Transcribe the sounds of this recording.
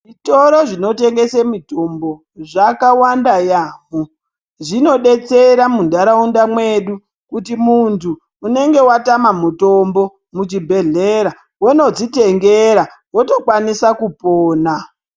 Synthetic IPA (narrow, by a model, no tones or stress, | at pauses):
ʐito̞ɾoʐino̞te̞ŋɡe̞semito̞mbo̞ | ʐakawandajaːmo | ʐino̞ɗe̞t͡se̞ɾamundaɾaundamwe̞ɗu | kutimuntʰuː | ne̞ŋɡe̞watamamuto̞mbo̞ | mut͡ʃibʱe̞ɮeɾa | wono̞d͡ziteŋɡeɾa | woto̞kwanisakupoːna